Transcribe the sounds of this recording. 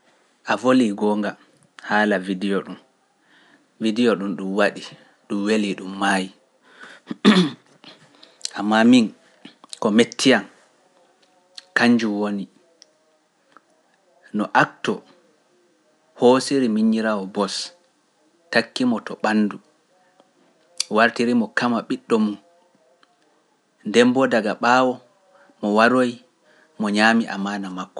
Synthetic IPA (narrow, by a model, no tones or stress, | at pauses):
ʔavoliɡɔːŋɡa | haːlavidijɔɗum | vidijɔɗumɗumwaɗi | ɗumweliɗumːaːji | ʔamːamin | kɔmetʰːijan | kaɲd͡ʒuwoni | nɔʔak̚tɔ | hoːsiɾimiɲːiɾawɔbɔs | takːimɔtɔɓanːdu | waɾtiɾimɔkamaɓiɗːɔmun | ndɛmbɔdaɡaɓawɔ | mɔwaɾoj | mɔɲaːmiʔa̰manamakːɔ̥